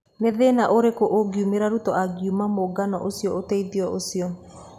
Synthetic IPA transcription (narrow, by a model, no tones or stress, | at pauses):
neðenaʔoɾekoʔoɡiumeɾaɾutɔʔaɡumamoɡanɔ̰ʔosiɔotɛiðiɔʔosiɔ